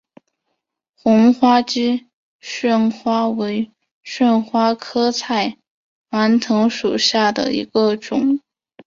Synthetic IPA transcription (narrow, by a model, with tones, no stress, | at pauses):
xʊ˧˥ŋxwa˥t͡ɕi˥ | ɕɥə˥˩nxwa˥we˧˥ɪ | ɕɥə˥˧nxwa˥kʰɤ˥t͡sʰa˥˩ɪ | wa˧˥nt̪ʰɤ˧˥ŋʂu˨˩ɕja˥˩d̪ə̰˩ḭ˧˥ɡə˧ʈ͡ʂʊ˨˩˦ŋ